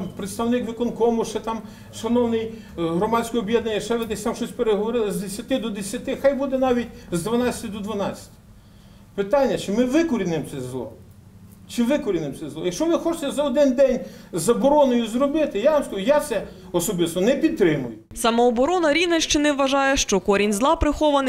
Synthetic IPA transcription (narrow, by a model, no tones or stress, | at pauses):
pɾet̪st̪ɐwnɪkʋɪkɔnkɔmʊʃt͡ʃɛt̪ɑm | ʃɐnɔwnɪj | ɦɾɔmɑsʲkɔjɔbʲjɛd̪nɐnʲːɐʃt͡ʃɛʋɪd̪ɛsʲt̪ɑmʃɔsʲpeɾeɦɔʋɔɾɪlˠɪzd̪esʲɐt̪ɪd̪ɔd̪esʲjɐt̪ɪxɑjbud̪ɛnɑʋʲitʲzd̪ʋɐnɑt͡sʲɐ̥t̪ʲɪd̪ɔd̪ʋɐnɑt͡sʲɐ̥tʲɪ̥ | pɪt̪ɑnʲːɐt͡ʃɪmɪʋɪkɔɾʲinɪmt̪sɛzlˠɔ̰ | t͡ʃɪʋɪkɔɾʲinɪmt̪ɛzlˠɔ̰jɐkʃt͡ʃɔʋɪxɔt͡ʃɪ̥t̪ɛzɐɔd̪ɪnd̪ɛnʲzɐbɔɾɔnʊjʊzɾɔbɪt̪ɪjaʋɐmskɐʒʊjat̪sɛ | ɔsɔbɪst̪ɔnɛpʲid̪̚t̪ɾɪmʊjʊsɐmɐɔbɔɾɔnɐɾʲiʋnɐʃt͡ʃɪnɛʋːɐʒɑjɛʃt͡ʃɔkɔɾʲinʲzlˠɑpɾɪxɔʋɐnɪ